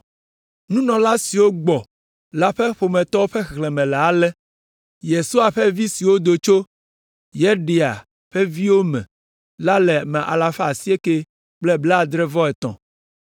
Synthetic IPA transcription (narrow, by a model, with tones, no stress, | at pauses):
nũ˦nɔ̃˨la˦si˨wo˦ɡ͡bɔ˨ | la˦ɸɛ˦ɸo˨mɛ̃˨t̪ɔ˦wo˦ɸɛ˦xlɛ˨mɛ̃˨lɛ˨a˨lɛ˦ | je˨su˦a˨ɸɛ˦vi˦si˨wo˦d̪o˨t͡ʃo˦ | jɛ˦ɖe˨a̰˨ | ɸɛ˦vi˦wo˦mɛ̰̃˨ | la˦lɛ˨mɛ̃˨ʔa̰˨la˨fa˨si˦e˦ke˦ | k͡plɛ˦blɛ˦a˦˨d̪ɾɛ˦vɔ˦ɛ˨t̪ɔ̰̃˨